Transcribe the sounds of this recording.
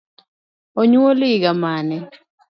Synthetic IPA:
oɲuwoliɡamanɛ

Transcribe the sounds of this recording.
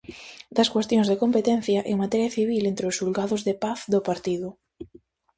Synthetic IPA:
d̪ɐskwest̪jõŋzðekompet̪ɛn̟θjɐʔeŋmat̪ɛɾjɐθiβilent̪ɾɪʊsulɡaðʊzðepaθd̪opaɾt̪iðʊ

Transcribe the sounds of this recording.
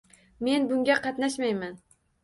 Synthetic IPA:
me̞nbʊŋɡʲaqʰɑt̪naʃmajman

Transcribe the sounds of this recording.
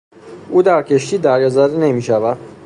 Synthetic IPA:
ʔuːd̪æɾcʰe̞ʃt̪iːd̪æɾjɑzæɾene̞miːʃævæd̪̥̚

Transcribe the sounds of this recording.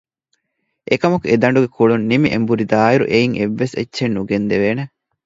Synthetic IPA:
ʔekɐmɐkued̪ɐɳ̆ɖuɡekʰuɭunːimiʔembuɾid̪aːiɾṵʔeiŋʔeʋːesḛtːʃenːuɡend̪eʋeːne

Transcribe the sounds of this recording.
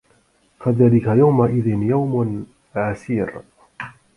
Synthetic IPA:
faðaːlɪkajawmaʔɪðɪnjawm | ʕaθiːɾ

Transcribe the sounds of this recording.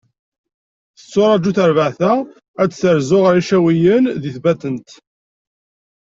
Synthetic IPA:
θə̥t͡sːʊɾˤɑd͡ʒːuθəɾvəʕθæ | æt͡sːθəɾzʊʁəɾiʃæwijənðiθbæt̪ənt̪

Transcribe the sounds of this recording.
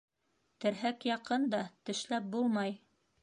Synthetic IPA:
t̪ɘ̆ɾɦækjɑqɤnd̪ɑt̪ɘ̆ʃlæp̚bulˠmɑj

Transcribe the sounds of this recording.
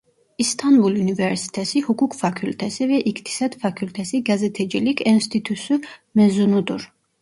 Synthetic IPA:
ist̪ʰɑnbulunivɛɾsi̥t̪ʰɛsihukʰukʰfakʰylt̪ʰɛsivɛʔikt̪ʰi̥sɑd̪fakʰylt̪ʰɛsiɡazɛt̪ʰɛd͡ʒilikʰɛnst̪ʰit̪ʰusumɛzunud̪uɾ

